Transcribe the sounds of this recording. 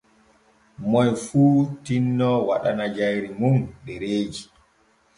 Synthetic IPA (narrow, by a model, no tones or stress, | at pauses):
mɔjfuːtinːɔwa̰ɗanad͡ʒajɾimumɗɛɾeːd͡ʒi